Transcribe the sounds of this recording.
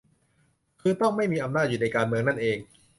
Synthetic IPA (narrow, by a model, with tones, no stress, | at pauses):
kʰɯː˧t̪ɔ˥˩ŋma˥˩jmiː˧ʔa˧mnaː˥˩t̪̚juː˨˩na˧jkaː˧nmɯ˧əŋna˥˩nʔeː˧ŋ